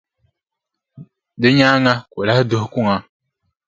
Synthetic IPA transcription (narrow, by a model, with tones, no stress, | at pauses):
dɨ˦ɲaː˦ŋa˦ko˨la˦hdʊ˦hku˦˨ŋa˨